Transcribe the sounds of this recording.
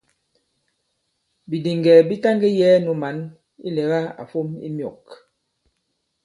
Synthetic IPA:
bi˨di˨ŋɡɛ˨bi˦ta˦ŋɡe˦jɛː˦nu˨ma˨˦n | ḭ˦lɛ˨˦ɣa˦a̰˨fo˦mḭ˦mjɔ˨k

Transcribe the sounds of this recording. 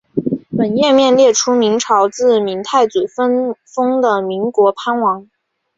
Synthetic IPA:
pə˨˩njɛ˥˧mjɛ˥˧nljɛ˥˩ʈ͡ʂʰu˥mi˧˥ŋʈ͡ʂʰɑ˧˥ʊt͡sɹ̩˥˩mi˧˥ŋt̪ʰa˥˩ɪt͡su˨˩fə˥nfɤ˥ŋd̪ə˨mi˧˥ŋkwɔ˧˥pʰa˥nwɑ˧˥ŋ

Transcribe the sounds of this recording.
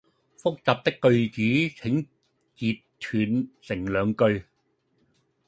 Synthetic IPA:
fʊ˥k̚t͡saː˨p̚t̪ɪ˥kːɵ˧ɥt͡siː˨˥t͡sʰɪ˨˥ŋ | t͡siː˨tt̪ʰyː˨˩nsɪ˨˩ŋlœː˨˧ŋkɵ˧ɥ

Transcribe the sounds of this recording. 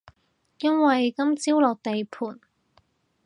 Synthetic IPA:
jɐ˥nwɐ˨jkɐ˥mt͡siː˥wlɔː˨k̚t̪e˨jpʰuː˨˩n

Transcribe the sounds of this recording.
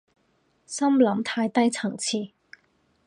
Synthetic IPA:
sɐ˥mlɐ˨˥mt̪ʰaː˧jt̪ɐ˥jt͡sʰɐ˨˩ŋt͡sʰiː˨˩

